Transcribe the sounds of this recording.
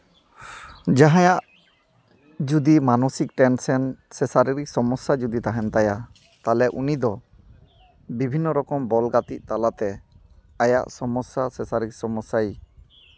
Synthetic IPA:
d͡ʒaɦãjaʔ | d͡ʒud̪imanɔsik̚ʈɛnsɛnsɛsaɾiɾiksɔmɔsːad͡ʒud̪it̪aɦɛmt̪aja | t̪alɛʔunid̪ɔ | bibʱinːɔɾɔkɔmbɔlɡat̪iʔ̚t̪alat̪ɛ | aja̰ʔsɔmɔsːasɛsaɾik̚sɔmɔsaj

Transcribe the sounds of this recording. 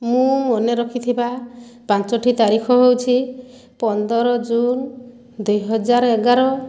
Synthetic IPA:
mũmɔneɾɔkʰit̪ʰibapãnt͡ʃɔʈʰit̪aɾikʰɔɦewt͡ʃʰi | pɔnd̪ɔɾɔd͡ʒun | d̪ujɦɔd͡ʒaɾeɡaɾɔ

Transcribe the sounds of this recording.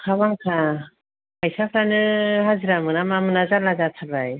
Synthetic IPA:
kʰaβaŋkʰa | pʰajsapʰɾanɯɦaziɾamɯnamamɯnazalazatʰabɾaj

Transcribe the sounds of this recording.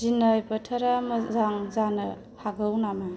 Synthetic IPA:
zinəjpɐtʰɐɾamɐzaŋzanɯ | haɡɯwnama

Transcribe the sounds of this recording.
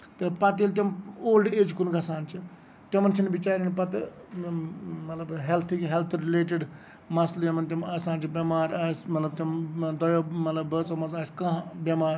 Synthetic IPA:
t̪ɨpɐt̪eːlt̪̬ɐmoːlɖeːd͡ʒkunɡɐsaːnt͡ʃʰi | ʈɐmɐnt͡ʃʰinbit͡ʃaːɾinpɐt̪ | mɐt̪lɐbɦelt̪ʰiɦɛlt̪ʰɾileːʈ̬iɖ | mɐsljɐmɐnt̪̬ʲɐmɐsãːnt͡ʃʰibʲɐmaːɾaːsmɐt̪lɐb̚t̪ɐmd̪ɔjoːmɐt̪lɐbːəːt͡sɐmɐzaːskɐ̃ɦbʲɐmaːɾ

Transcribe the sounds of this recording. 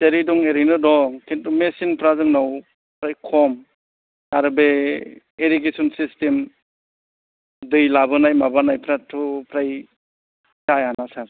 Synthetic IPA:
teɾidɔŋeɾɯjnɯdɔkʰintumesinpʰɾazɯŋnaw | pʰɾajkʰɔm | taɾbe | eɾik̬esɔnsistem | dɯjlabɯnajmabanajpʰɾatʰupʰɾaj | tajanasaɾ

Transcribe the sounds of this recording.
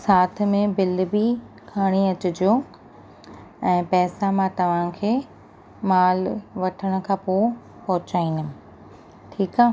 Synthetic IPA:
saːt̪̆ʰmẽbɪlbi | kʰaːɽ̃iɐt͡ɕʊd͡ʑoː | ɛ̃ːpɛːsamãt̪ɐʋ̤ãkʰeː | maːlʋɐʈʰəɽ̃ʊ̆kʰãːpoː | pɐɦʊt͡ɕaːĩːnʊm | ʈʰiːkaː

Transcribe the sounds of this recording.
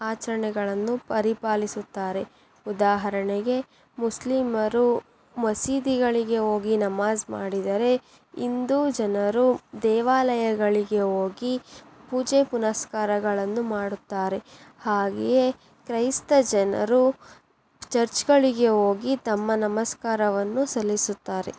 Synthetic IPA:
aːt͡ʃɐɾɐɳɛɡɐɭɐnːupɐɾipaːlisut̪ːaːɾe̞ | ud̪aːɦɐɾɐɳɛɡe̞ | muslimɐɾu | mɐsiːd̪iɡɐɭiɡe̞o̞ːɡinɐmaːzmaːɽid̪ɐɾe̞ | ind̪uːd͡ʒɐnɐɾud̪ɛːʋaːlɐjɐɡɐɭiɡe̞oːɡi | puːd͡ʒepunɐskaːɾɐɡɐɭɐnːumaːɽut̪ːaːɾe̞ | haːɡḛje | kɾɐjst̪ɐd͡ʒɐnɐ̰ɾu | t͡ʃɐɾt͡ʃɡɐɭiɡe̞oːɡit̪ɐmːɐnɐmɐskaːɾɐʋɐnːusɐlːisut̪ːaːɾḛ

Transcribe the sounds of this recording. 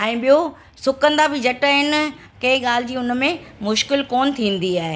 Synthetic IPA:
ɛ̃ːɓijo | sʊkə̃nd̪abɪd͡ʑɐʈəɦɪnɪ̆ | kɐ̃ɦɪ̃ɠaːl̤ɪ̆d͡ʑiːʊn̆mẽmʊʃkɪlkɔːnt̪ʰĩːn̆d̪iaːɦe

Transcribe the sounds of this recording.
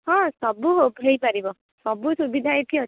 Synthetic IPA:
ɦɔ̃sʌbuɦobʱɦejpaɾibʌ | sʌbusubid̪ʱaet̪ʰiɦʌ

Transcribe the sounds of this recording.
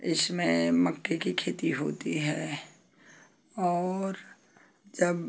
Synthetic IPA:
ɪ̰smẽmɐkːekikʰeːt̪iɦoːt̪iɦɛː | ɔːɾ | d͡ʒɐb

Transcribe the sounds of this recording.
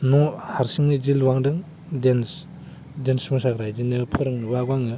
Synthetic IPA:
nɔhaɾsiŋnid͡ʒilwaŋdɯŋ | dens | densmusakɾajdinɯpʰɯɾɯŋnɯbaɡwaŋɯ

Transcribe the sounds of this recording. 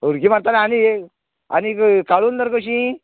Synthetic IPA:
uɾɡimaɾt̪alaani | a̰nikkaɭuːnd̪əɾkəɕĩ

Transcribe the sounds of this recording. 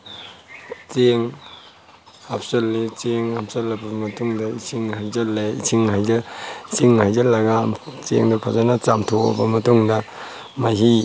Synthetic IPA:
t͡ʃeŋ | hapʰsɐlːit͡ʃeŋhapsɐlːɐbɐmɐtuŋdɐisʰiŋhajzɐlːeḭsʰiŋhajzɐsʰiŋhajzɐlːɐɡat͡ʃḛŋdɐpʰazanɐt͡ʃamtʰoo̰bɐmɐtuŋdɐ | majɦi

